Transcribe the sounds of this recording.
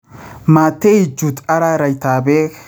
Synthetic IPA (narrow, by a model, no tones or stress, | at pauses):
maːt̪ːɛɪd͡ʒʊt̪ʼɐɾaɾɐjt̪aːbeːk